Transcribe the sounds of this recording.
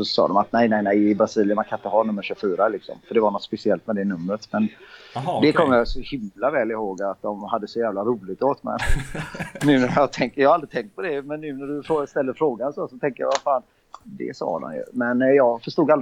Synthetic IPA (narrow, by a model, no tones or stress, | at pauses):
sɔsɑ̰ːd̪ɔmat̪nɛjnɛɪnɛjɪbɾasiːlɪənmankʰanɪt̪əɦɑːnɵmːəɾʂʉfyːɾalɪksɔ̰mfœɖɛvaɳɔt̪spɛsɪɛlt̪mɛd̪ɛnɵmːɾət̪mɛnd̪ɛkʰɔmːəɾjɑsɔhɪmlavɛːlɪhoːɡat̪̚d̪ɔmhad̪ːəsɔjæːvlaɾuːlɪɡ̚t̪oːt̪mɛ̰n | nʉ̟ːnæjɑat̪ʰɛŋkəjɑːhald̪ɾɪt̪ʰɛŋkt̪̚pʰɔd̪ɛmɛnːʉːnæɖɵfst̪ɛlːəɾfɾoːɡansosɔt̪ʰɛŋkəja̰vafaːn | d̪ɛ̰sɑ̰ːd̪ɔ̰mjɵ̰mɛnjɑːɡfœʂt̪uːɡal